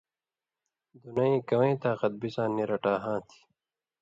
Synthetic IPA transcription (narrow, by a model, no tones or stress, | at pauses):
d̪unaĩːkɐwẽːt̪aːqʌt̪̚bisãːnːiɾɐʈaːɦãːt̪ʰi̥